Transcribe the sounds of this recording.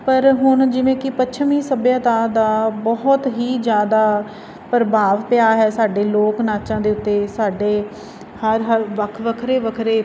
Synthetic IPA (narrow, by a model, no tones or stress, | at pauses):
pəɾɦʊnd͡ʒɪʋẽːkɪpətːʃʰmĩːsəbjãːt̪aːd̪aːbɔɦʊt̪ɦiːd͡ʒjaːd̪aː | pəɾbaːʋpɪjaːɦɛːsaːɖeːloːknaːt͡ʃãːd̪eːʊt̪ːeːsaːɖeː | həɾɦəɾʋəkʰʋəkʰɾeːʋəkʰɾeː